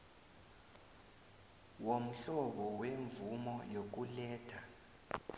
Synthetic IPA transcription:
wom̩ɬɔɓɔweɱvumɔjok̬ulɛːtʰa

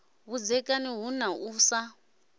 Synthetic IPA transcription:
βud͡zɛkʼaniɦunaʔuːsa

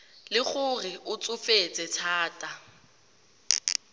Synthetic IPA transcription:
lɪk͡xʊrɪʊt͡sʼʊfet͡sʼɪtʰaːtʼa

